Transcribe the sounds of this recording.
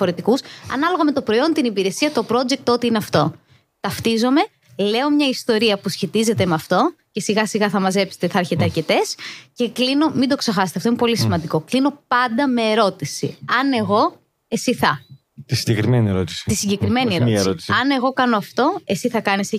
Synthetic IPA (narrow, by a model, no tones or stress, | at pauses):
foɾet̪ikusɐ̰nɐlo̞ɣɐme̞t̪opɾo̞io̞nt̪inipiɾe̞siɐt̪o̞pɾo̞d͡ʒek̚t̪ot̪iineɐft̪o̞ | t̪ɐft̪izo̞me̞ | le̞o̞mɲɐist̪o̞ɾiɐpusçe̞t̪ize̞t̪e̞mɐft̪o̞ce̞siɣɐsiɣɐθɐmɐze̞pse̥t̪eθɐɐɾçet̪eɐɾce̞t̪e̞sce̞klino̞mind̪o̞ksexɐse̥teft̪o̞imepo̞lisimɐnd̪iko̞klino̞pɐnd̪ɐme̞ːɾo̞t̪isḭɐne̞ɣo̞ | e̞siθɐ | t̪isiɲɟekɾimenieɾot̪i̥si̥t̪isiɲɟe̞kɾime̞nieɾoɾot̪i̥sɐne̞ɣo̞kɐnoɐft̪o̞e̞siθɐkɐnise